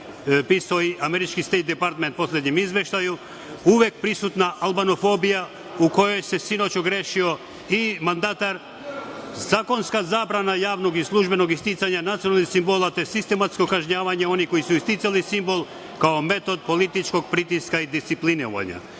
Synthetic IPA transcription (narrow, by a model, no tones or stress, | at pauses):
pisoiʔameɾit͡ʃkist̪ejt̪̚d̪ɛpaɾt̪ment̪po̞sled̪ɲemizʋeʃt̪aju | uʋek̚pɾisut̪naʔalˠbanofobija | ukojojsesinot͡ɕoɡɾeʃio | imand̪at̪aɾ | zaːko̞nskazaːbɾanajaːʋnoɡislˠuʒbenoɡist̪it̪saɲanat̪sijonalnisimbolˠat̪osist̪emat̪skokaʒɲaːʋaɲeo̞niko̞isuist̪it̪salisimbolˠ | kaomet̪od̪̚polit̪it͡ʃko̞ɡpɾit̪iskaid̪ist̪sipliniʋa̰ɲa̰